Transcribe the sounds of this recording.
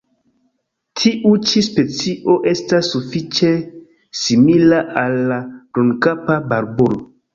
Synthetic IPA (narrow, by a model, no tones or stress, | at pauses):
tʰiʔut͡ʃispe̞t͡siʔo̞ʔe̞stasːufit͡ʃe̞ | similaʔalːadonkapabaɾbolo